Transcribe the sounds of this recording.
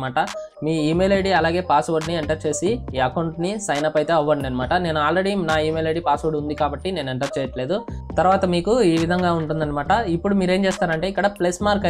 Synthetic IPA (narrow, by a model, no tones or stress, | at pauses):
aːʈɐ | miːiːmelejɖiɐlaːɡe̞ːpaːsʋoɾɖnieɳʈɐɾt͡ʃe̞ːsiaːkɐwɳʈnisɐjnɐpːɐjt̪e̞ːɐʋːɐɖɐnːɐmaːʈɐne̞ːnuaːlɾe̞ɽinaːiːmeleɖiːpaːsʋoɾɖund̪ikaːbɐʈːine̞ːnueɳʈɐɾt͡ʃɛːjɐʈle̞ːd̪ut̪ɐɾuʋaːt̪ɐmiːkuiːʋid̪ʱɐŋɡaːuɳʈund̪ɐnːɐmaːʈɐipːuɽumiːɾe̞ːmt͡ʃeːst̪aːɾɐɳʈe̞ːikːɐɽɐplesmaːɾkɐ